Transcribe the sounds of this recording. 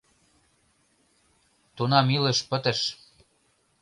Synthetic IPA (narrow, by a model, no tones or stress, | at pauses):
t̪unɑmilĕʃpə̆t̪ə̆ʃ